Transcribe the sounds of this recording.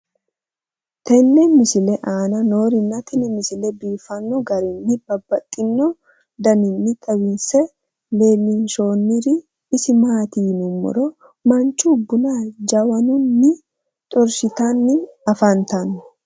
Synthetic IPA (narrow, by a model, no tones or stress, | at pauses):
t̪ɛnːɛmɪsɪlɛʔaːnɐno̞ːɾɪnːɐt̪ʰɛnɪmɪsɪlɛbiːfɐnːɔɡɐɾɪnːɪb̥ɐbːɐt̪ʼːɪnːɔ | d̪ɐnɪnːɪt̪ʼɐwɪnsɛ | leːlinʃo̞ːnːɪɾɪː | sɪmaːt̪iːnʊmːɔ̰ɾɔ | mɐnt͡ʃːubːʊnad͡ʒɐwɐnʊnːɪ | t̪ʼɔɾsɪt̪anːɪnɐfɐnt̪ɐnʊ